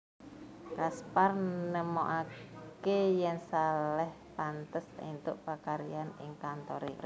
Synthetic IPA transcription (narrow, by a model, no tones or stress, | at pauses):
kasparnəmoʔakejɛŋsalɛh | pant̪əsḭnt̪ʊʔpakaɾianɪ̰ŋkant̪ɔɾḭr